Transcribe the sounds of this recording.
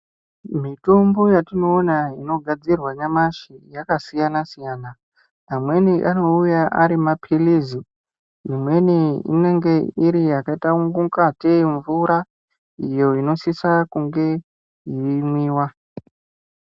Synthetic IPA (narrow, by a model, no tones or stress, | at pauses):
mitumbojatino̞ːnaino̞ɡʱad͡zirwaɲamaʃijakasijanasijaːna | amwe̞niʔano̞ujaʔa̰ɾimapʰilizi | imwe̞niḭne̞ŋɡe̞iɾiakaitauŋɡuŋkateɱvuɾa | ijo̞ino̞sisakuŋɡe̞ | iʋimwiːwa